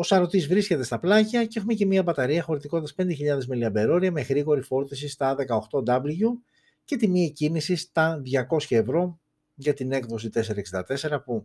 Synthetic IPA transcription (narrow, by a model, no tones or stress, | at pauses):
o̞sɐɾo̞t̪izvɾisce̞t̪e̞st̪ɐplɐʝɐceexume̞ce̞miɐbɐt̪ɐɾiɐxo̞ɾit̪ikot̪t̪ɐspe̞nd̪eçiʎɐðe̞zmeliɐbe̞ɾo̞ɾiɐme̞ɣɾiɣo̞ɾifo̞ɾt̪isist̪ɐðe̞kɐo̞xt̪o̞d̪ɐblʝu | ce̞t̪imiecinisist̪ɐðʝɐko̞sçɐe̞vɾo̞ | ʝɐt̪ine̞kðo̞sit̪e̞se̞ɾɐksind̪ɐt̪e̞se̞ɾɐpu